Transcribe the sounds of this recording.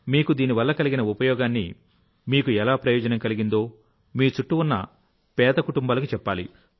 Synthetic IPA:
miːkud̪iːniʋɐlːɐkɐliɡinɐupɐjɔːɡaːnːḭ | miːkuɛlaːpɾɐjɔːd͡ʒɐnɐmkɐliɡind̪oː | miːut͡ʃuʈːuunːɐ̰ | pɛːd̪ɐkuʈumbaːlɐkut͡ʃɛpːaːlḭ

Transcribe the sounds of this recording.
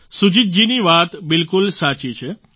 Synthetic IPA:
sud͡ʒit̪̚d͡ʒiniʋat̪bɪlkʊlsat͡ʃit͡ʃʰe

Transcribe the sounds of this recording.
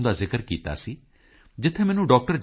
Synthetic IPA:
nd̪aːzɪkəɾkiːt̪a̰ːsiː | d͡ʒɪt̪ʰːẽːmɛːnũːɖɔːk̚ʈəɾd͡ʒ

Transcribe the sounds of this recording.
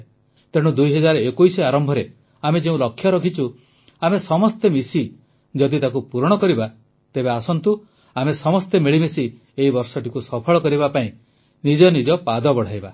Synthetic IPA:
t̪eɽ̃ud̪ujɦɔd͡ʒaɾɔekujsiaɾɔmbʱɔɾe | amed͡ʒeũlɔkʰːjɔɾɔkʰit͡ʃʰu | amesɔmɔst̪emisi | d͡ʒɔd̪it̪akupuɾɔɽ̃ɔkɔɾiba | t̪ebeasɔnt̪u | amesɔmɔst̪emiɭimisi | eibɔɾsɔʈikusɔpʰɔɭɔkɔɾibapaĩ | nid͡ʒɔnid͡ʒɔpad̪ɔbɔɽ̤ajba

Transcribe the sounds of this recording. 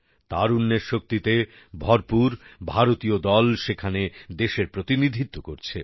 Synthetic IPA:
t̪aɾunːeɾʃok̚t̪it̪e | bʱɔɾpuɾbʱaɾot̪iod̪ɔlʃekʰaned̪eʃeɾpɾot̪inid̪ʱit̪ːokoɾt͡ɕʰe

